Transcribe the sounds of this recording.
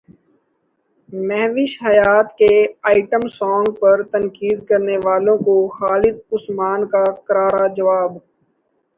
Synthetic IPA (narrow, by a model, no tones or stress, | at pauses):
mɛɦʋɪʃɦɐjaːt̪keaːɪʈəmsɔːŋɡ̚pəɾt̪ənkiːd̪kɐɾneʋaːlõkoxaːlɪd̪̚ʊsmaːnkakəɾaːɾad͡ʒɐʋaːb